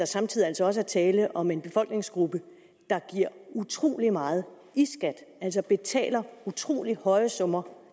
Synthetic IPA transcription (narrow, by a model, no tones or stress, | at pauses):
ɑ̈sɑ̈mt͡sʰið̰ˠiælsɒ̽ɒ̽s̬əæɐt͡sʰɛːləʔɒ̽me̝nb̥e̝fɒ̽l̰ɡ̥ne̝ŋsɡ̥ʁub̥ə | d̥ɑ̈ɡ̥iɐ̰ut͡sʰʁo̝̰ːlimɑ̈ːð̞̩ˠ | isɡ̥æd̥ʔæl̰sɒ̽b̥e̝t͡sʰɛ̰ːlɐut͡sʰʁo̝̰ːlihɒ̽ɪəsɔ̽mɐ